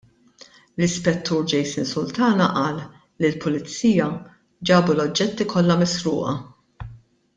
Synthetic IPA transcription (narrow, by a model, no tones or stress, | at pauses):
lɪspɛt̪ːuːɾd͡ʒɛjsɪnsʊlt̪ɐːnɐʔɐːlː | ilpʊlɪt͡sːiːjɐ | d͡ʒɐːbulɔd͡ʒːɛt̪ːikʰɔlːɐmɪsɾʊ̰ːʔɐ̰